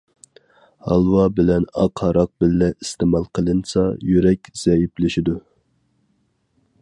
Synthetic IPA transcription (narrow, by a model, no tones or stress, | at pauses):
hɑlˠwɑbɪlɛnɑqʰɑɾɑq̚bɪlːɛist̪ɨmɑlˠqʰəlˠɨnsɑjyɾɛkʲz̥ɛjiplɪʃid̪u